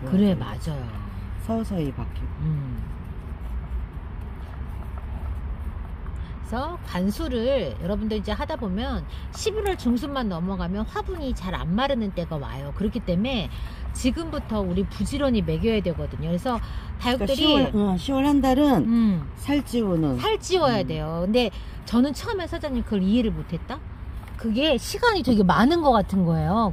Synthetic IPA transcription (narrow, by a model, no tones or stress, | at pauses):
kɯɾema̰d͡ʑajosʰʌsʰʌibak͈ʰiɯ | sʰʌkansʰuɾɯɾjʌɾʌbundʌɾid͡ʑe̞ɦadabomjʌn | ɕʰibiɾwʌɭt͡ɕuŋs̬ʰɯmːanːʌmʌɡamjʌnɸwabuɲit͡ɕaɾa̰nmaɾɯnɯnt͈e̞ɡawa̰jokɯɾʌkʰit͈e̞me̞t͡ɕiɡɯmbutʰʌuɾipud͡ʑiɾwʌɲime̞ɡjʌjadwe̞ɡʌdɯɲokɾe̞sʰʌtajʌkt͈ɯɾiɯɕʰiwʌɭhandaɾɯnsʰaɭt͡ɕ͈ionɯnsʰaɭt͡ɕ͈iwʌjadwe̞jokɯnde̞ | t͡ɕʌnɯnt͡ɕʰʌɯmesʰʌd͡ʑaɲimkɯʌɾiiɾɯɭmotʰe̞t̚t͈a | kɯɡe̞ɕʰiɡaɲitweɡe̞manɯnɡʌk͈atʰɯnɡʌe̞jo